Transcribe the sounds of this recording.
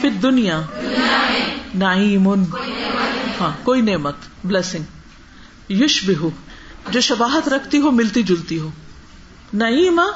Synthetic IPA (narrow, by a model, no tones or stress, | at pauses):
fɪd̪ːʊnijaː | nɐʕiːmʊn | hãːkoːineːmət̪blɛːsɪ̃ŋɡ | jʊʃbɪɦʊd͡ʒoːʃɐbaːɦət̪ɾɐkʰt̪iɦoːmɪlt̪id͡ʒʊlt̪iɦoː | nɐiːma